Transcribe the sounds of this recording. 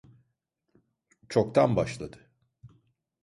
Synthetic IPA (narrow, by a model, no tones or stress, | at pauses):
t͡ʃʰo̞kt̪ʰanbaʃlˠad̪ɯ